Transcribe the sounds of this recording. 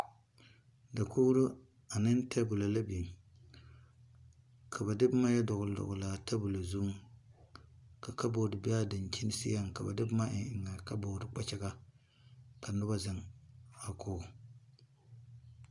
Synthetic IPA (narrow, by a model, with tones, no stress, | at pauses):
da˨kuː˦ɾʊ˦ | a˨nɨ˦n˦tʰɛ˦bʊ˨la˨la˦bi˨m | kʰa˨ba˨dɪ˦bma˦ja˦dʊ˨ɣʊ˨lʊ̰˨ɣʊ˨laː˨tʰa˦bʊ˨la˨zu˦ŋ | ka˨ka˦bo˨dɪ˨bɪ˦a˦dɪ˨n˨t͡ʃi˦nɪ˦sɪ̰˦ja˦ŋka˨ba̰˨dɪ˦bma˦ʔɪ˨ɪ˨ŋːa˨ka˦bo˨dɪ˨k͡pa˦t͡ʃɛ˦ɡa˦ | ka˨nʊ˦ba˦zɪ˨ŋa˨kʰʊː˦˨